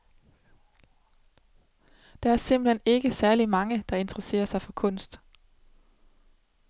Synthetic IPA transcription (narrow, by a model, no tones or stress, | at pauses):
d̥ɑ̈æɐse̝m̰b̥l̩hene̝ɡ̥əsæɐlimɑ̈ŋəd̥ɑ̈e̝nd̥ʰəʁɐse̝̰ːɐsɑ̈ɪfɒ̽kʰɔn̰sd̥